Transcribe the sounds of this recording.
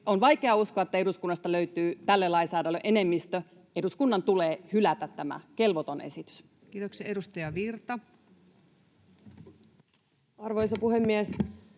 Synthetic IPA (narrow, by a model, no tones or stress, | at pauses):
onʋɑjke̞ɑuskoɑet̪ːæe̞duskunːɑst̪ɑløyt̪yːt̪ælːelɑinsɑːdɑlːøʔe̞ne̞mːist̪ø | e̞duskunːɑnt̪uleːhylæt̪æt̪tːæmæ̰ke̞lʋot̪o̞nʔḛsit̪y̥s | kiːt̪oksiɑedust̪ɑjɑʋirt̪ɑ | ɑrʋojsɑpuɦemːies